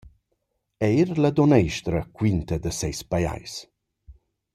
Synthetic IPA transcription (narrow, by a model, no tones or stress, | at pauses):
ɛjɾlad̪ɔnɛjʃt̪ɾəkwint̪əd̪əsɛjspaja̰js